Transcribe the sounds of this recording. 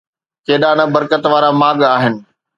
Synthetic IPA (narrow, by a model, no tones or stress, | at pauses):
keːɗanɐbɐɾkət̪ʋaːɾamaːɠaːɦɪnɪ̆